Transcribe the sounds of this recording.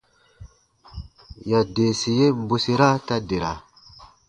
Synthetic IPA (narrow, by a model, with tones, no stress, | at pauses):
ja˨de˨si˨je˦m˦bu˨si˨ɾa˦ta˦de˨ɾa̰˨